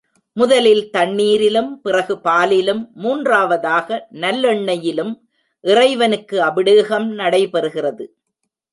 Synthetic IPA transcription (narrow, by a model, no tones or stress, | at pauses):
mʊðɐlɪlt̪ɐɳːiːɾɪlɯmpɪrɐɣɯpaːlɪlɯmːuːndraːʋɐðaːɣɐnɐlːɔɳːɐjɪlɯm | ʔɪrɐɪʋɐnɯkːɯɐbɪɽɯːɣɐmnɐɽɐɪpɛɾɯɣɪrɐðɯ